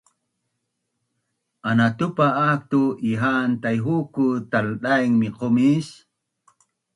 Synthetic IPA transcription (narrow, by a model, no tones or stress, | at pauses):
anat̪ʊpaːk̚t̪uʔiɦant̪ajɦukut̪alɗ̪ajŋmɪqomis